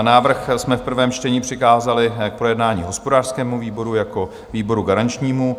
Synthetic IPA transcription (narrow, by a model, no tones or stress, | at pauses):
naːvr̩xsmɛfpr̩vɛːmt͡ʃtɛɲiːpr̝̥ɪkaːzalɪk̚pɾo̞jɛdnaːɲḭːɦo̞spodaːr̥skɛːmuviːbo̞ɾujako̞ | viːbo̞ɾuɡaɾant͡ʃɲiːmu